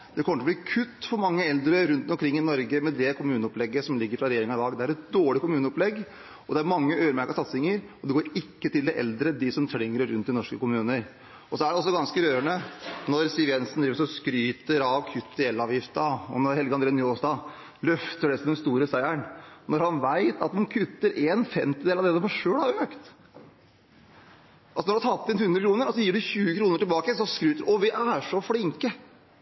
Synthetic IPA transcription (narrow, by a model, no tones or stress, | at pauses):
d̪̥ɛkʰɔmət̪ɔbliːkʰʉt̪ːfɔɾmɑŋːəɛld̪ɾəɾʉnt̪ɔmkʰɾɪŋːɪnɔɾɡəmɛd̪ɛkʰʊmʉːnəɔplɛɡːəsɔmlɪɡːəɾfɾɑɾɛjeːɾɪŋɑʋɑːɡd̪ɛæɾɛt̪̚d̪oːɭɪkʊmʉːnəɔplɛɡː | ɔd̪ɛæɾmɑŋːəøːəɾmæɾkəsɑt̪sɪŋəɾɔd̪ɛɡoːɾɪkːət̪ɪld̪ɛʔɛ̰ld̪ɾəd̪ɪsɔmt̪ʰlɪŋːəɾɾʉnt̪d̪ɪnɔʂkəkʊmʉːnəɾ | ɔsɔæɖɛɔsːɔɡɑnskəɾøːɾəɳənɔɾsɪʋjɛnsn̩d̪ɾiːəɾsɔskɾyːt̪əɾɑʋkʰʉt̪ːd̪eləɑːʋjɪft̪əɑɔ̰nɔɾhɛlɡəɑnd̪ɾeːnjoːsd̪ɑ | lœft̪əɖɛsɔd̪ɛnst̪uːɾəsæɪænnɔɾhɑnʋæɪt̪ɑt̪d̪ɑnkʰʉt̪ːəɾʔeːnfɛmt̪ɪd̪eːlɑʋd̪ɛsɔmɑʂøːɽhɑɾøːkt̪ | ʔɑlsɔnɔɖhɑt̪ʰɑt̪ːɪnhʉnd̪ɾəkɾuːnəɾɔsɔjiːɖʉçʉːəkʰɾuːnəʈɪlbɑːkəəsɔskɾyːt̪əɾʔɔʋɪʔæʂɔfɽɪŋkə